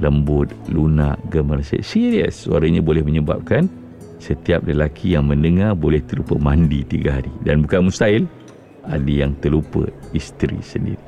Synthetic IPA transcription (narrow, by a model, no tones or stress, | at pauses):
ləmbʊt̪̚luna̰ʔɡəmərsɛ̰t̪siɾiə̰swa̰ɾəɲabolɛhməɲəba̰p̚kan | sət̪iap̚ləlakʰijaŋmə̃ndəŋarbolɛht̪əlupəmandit̪iɡaɦaɾidanbukanmust̪ail | adəjaŋt̪əlupə̰ist̪ɾḭsəndḭɾi